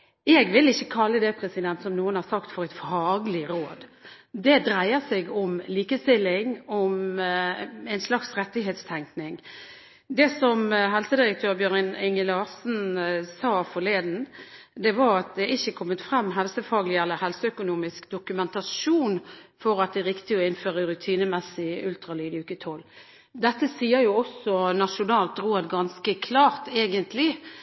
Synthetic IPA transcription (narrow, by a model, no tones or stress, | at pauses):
ɛɡʋɪlɪçːəkʰɑlːəd̪ɛpʰɾɛsɪd̪ɛnt̪sɔmnuːənhɑʁsɑkt̪fɔʁɛɪt̪fɑːɡlɪɾoːd̪d̪ɛd̪ɾæɪəsɛɡɔmliːkəst̪ɪlːɪŋɔm | æɪnslɑksʁɛt̪ːɪɦeːt̪st̪ʰæŋknɪŋ | d̪ɛsɔmɦɛlsəd̪ɪʁək̚t̪ʰøːʁbjøːʁnɪnɪŋəlɑːsn̩sɑːfɔleːd̪n̩ | d̪ɛʋɑɾɑt̪̚d̪ɛʔɪçːəkʰɔmːət̪fɾɛmːɦɛlsəfɑːɡlɪɛlːəɾhɛlsɔœkʊnuːmɪskd̪ʊkʉmɛnt̪ɑʃʂuːnfɔɾɑt̪̚d̪ɛʁɪkt̪ɪɔɪnføːʁəɾʉt̪ʰiːnəmɛsɪʉlt̪ʁɑlyːd̪ɪʉːkət̪ʰɔlː | d̪ɛt̪ːəsiːəjʊɔsɔnɑʂʊnɑːlt̪ɾoːd̪ɡɑnskəkʰlɑːʁt̪eːɡənt̪ʰlɪ